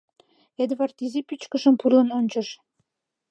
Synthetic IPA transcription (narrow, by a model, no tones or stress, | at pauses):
ed̪βɑrt̪izipyt͡ɕkə̆ʃəmpurlˠə̆nonʲt͡ɕə̆ʃ